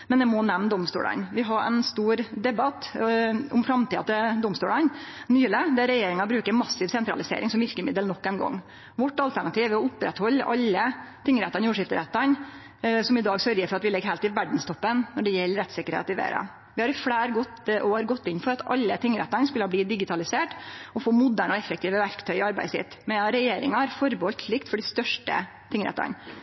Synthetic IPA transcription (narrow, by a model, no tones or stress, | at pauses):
mɛnd̪ɛmɔnɛmnd̪ɔmst̪ṵːlɑ̰nʋɪɦɑɾɛ̰nst̪uːɾd̪ɛbɑt̪ | ʊmfɾɑmt̪ʰiːɑt̪əd̪ʊmst̪uːɭɑnnyːləd̪ɛæɾɛjeːɾɪŋɑbɾʉːkəɾmɑsːɪʋsɛnt̪ɾɑ̰lɪsḛːɾɪŋsɔmʋɪɾkəmɪd̪əlnɔkːɛnɡɔ̰ŋː | ʋɔʈːɑlt̪ʰæɳɑt̪iːʋʋɪɔʊpɾɛt̪hɔlːʔɑ̰lːət̪ʰɪŋːəɾɛt̪ːɑnjuːʂɪft̪əɾɛt̪ːɑn | sɔmɪd̪ɑːɡsœɾjəɾfɔɾɑt̪ʋɪlɛɡhæːlt̪ɪʋæɖn̩st̪ʰɔpːənnɔɖɛjɛlːəɾɛt̪sɪkəɾhḛːt̪ɪʋḛːɾɑ̰ | ʋɪhɑɾfɽæːɾɡɔt̪ʔɔhɑɾɡɔt̪ːɪnfɔɾɑt̪ɑ̰lːət̪ʰɪŋːɾɛ̰t̪ːɑnskʉlːəhɑːb̪iːd̪ɪɡɪt̪ʰɑlɪseːʈɔfoːmʊd̪æːɳɔɛfːək̚t̪ʰiːʋəʋæɾkt̪ʰœʏɑɾbæ̰ɪsɪ̰t̪ːmɛɑɾɛjeːɾɪ̰ŋɑɾfɔɾbəɔlt̪ɭɪkt̪fɔɖɪst̪œʂʈə̰ | t̪ɪŋːɾɛ̰t̪ːɑ̰n